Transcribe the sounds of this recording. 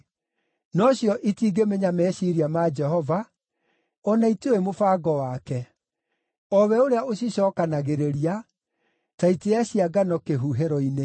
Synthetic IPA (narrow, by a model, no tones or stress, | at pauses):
nɔɕjɔʔitiːɡemeɲamɛɕiɾiamad͡ʒɛhɔva | ɔnaituemofaːɡɔwaːkɛ | ɔβɛoɾeaoɕ̬iɕɔːkanaɣeɾeɾia | taiteaɕiaɡanɔkeɦuɦeɾɔine